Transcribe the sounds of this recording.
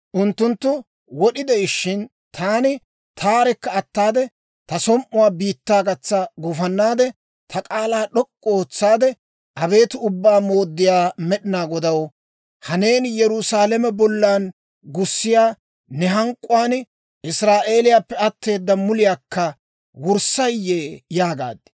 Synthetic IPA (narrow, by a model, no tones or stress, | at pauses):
ʔʊnt̪ːʊnt̪ːʊ | wɔɗɪd̪ɛɪʃːɪn | t̪ʰaːnɪ | t̪ʰaːɾɛkːɐːt̪ːaːd̪ɛ | t̪ɐsɔmʔʊwaːbiːt̪ːaːɡɐt͡sːaɡʊfɐnːaːd̪ɛ | t̪ʰɐkʼaːlaːɗɔkʼːɔoːt͡sːaːd̪ɛ | ʔɐbe̞ːt̪ɪʊbːaːmo̞ːd̪ːɪjaːmɛɗɪnaːɡɔd̪ɐw | hɐne̞ːnjɛɾʊsaːlɛmɛbɔlːaːn | ɡʊsːɪjaː | nɛɦɐŋkʼːʊwaːn | ɪsɾaːʔe̞ːlɪjaːpːɛɐt̪ːe̞ːd̪ːɐmʊlɪjaːkːɐ | wʊɾsɐjːeːjaːɡa̰ːd̪ɪ̥